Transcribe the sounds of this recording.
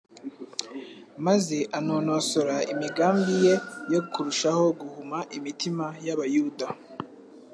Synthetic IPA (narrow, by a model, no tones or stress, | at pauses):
mazeʔanoːnosoɾaimiɡaːmbije̞jo̞kuɾuʃaho̞ɡuhumaʔimitimajaβajuda